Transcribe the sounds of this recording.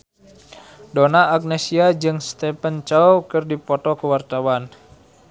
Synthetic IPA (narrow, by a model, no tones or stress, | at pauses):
donaːk̚nɛsiad͡ʒɨŋst̪ɛpənt͡ʃawkɨrdipɔt̪ɔkəwart̪awan